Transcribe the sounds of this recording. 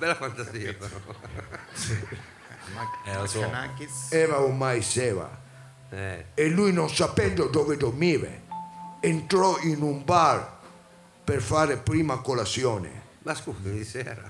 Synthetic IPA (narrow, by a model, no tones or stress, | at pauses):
bɛlːafant̪asiːa | si | snakiɛːvaumːajsɛːva̰ | ɛelːujnonsapɛnd̪od̪ɔːved̪oɾmiːvḛent̪ɾɔinumbaɾ | perfaːɾepɾiːmakolasjɔːnḛ | baskusinisɛ̰ɾa̰